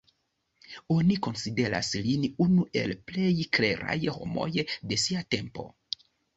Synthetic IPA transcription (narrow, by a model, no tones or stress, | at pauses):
o̞niko̞nside̞ɾa̰slinunuʔe̞̰lple̞jkɾe̞ɾa̰jho̞̰mo̞̰jde̞siate̞mpo̞̰